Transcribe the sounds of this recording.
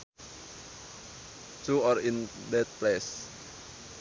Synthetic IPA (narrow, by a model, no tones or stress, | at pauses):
tuɔrin | dɛt̪̚plɛs